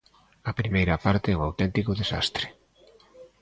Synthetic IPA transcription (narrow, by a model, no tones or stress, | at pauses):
ɐpɾimejɾɐpaɾt̪eɛoawt̪ɛnt̪ikoðesa̰st̪ɾe̥